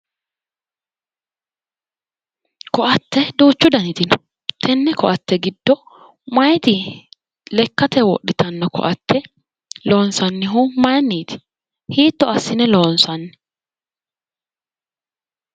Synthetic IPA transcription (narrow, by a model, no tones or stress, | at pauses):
kɔʔɐt̪ːɛd̪uːt͡ʃːʊd̪ɐnɪt̪ɪnɔ | t̪ʰɛnːɛkɔʔɐt̪ːɛɡɪd̪ːɔ | mɐjt̪ɪ | lɛkːɐt̪ɛwɔ̰ɗːɪt̪ʰɐnːɔkɔ̰ʔɐt̪ːɛ | lo̞ːnsɐnːɪɦʊmɐjɐnːiːt̪ɪ̥ | hiːt̪ːɔɐsːɪnɛloːnsɐnːɛ̥